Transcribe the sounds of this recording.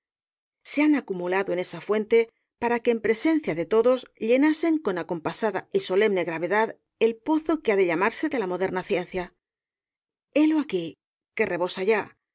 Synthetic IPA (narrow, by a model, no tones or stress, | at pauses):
se̞anakumulaðo̞e̞ne̞safwe̞nt̪e̞ | paɾake̞ːmpɾe̞se̞nθjaðe̞t̪o̞ðo̞zʎe̞nase̞ŋko̞nako̞mpasaðaiso̞le̞mne̞ɣɾaβ̞e̞ðað | e̞lpo̞θo̞keaðe̞ʎamaɾse̞ðe̞lamo̞ðe̞ɾnaθje̞n̟θja | e̞loaki | ke̞re̞βo̞saʝa